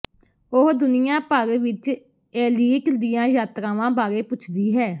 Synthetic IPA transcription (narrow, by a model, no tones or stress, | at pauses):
ʊɦd̪ʊnɪjãːpəɾʋɪt͡ʃ | ɛːliːkd̪ɪjãːjaːt̪ɾãːʋãːbaːɾeːpʊt͡ʃʰd̪iːɦɛː